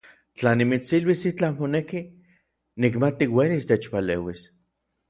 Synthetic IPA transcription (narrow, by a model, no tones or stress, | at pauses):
t͡ɬanimit͡silwisit͡ɬamponeki | nikmat̪iwelist̪et͡ʃpaleːwis